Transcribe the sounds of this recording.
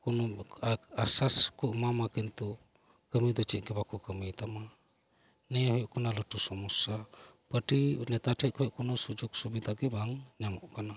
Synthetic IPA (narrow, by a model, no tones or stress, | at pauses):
kunu | asaskɔʔmamakɛnt̪u | kəmid̪ɔt͡ʃit̪̚ˀɡɛbakukəmit̪ama | nɛɦɔjɔʔkɔnaləʈusɔmusapəʈinɛt̪aʈʰɛkʰɔjɔʔkunusud͡ʒuksubid̪aɡɛbaŋɲamɔʔkana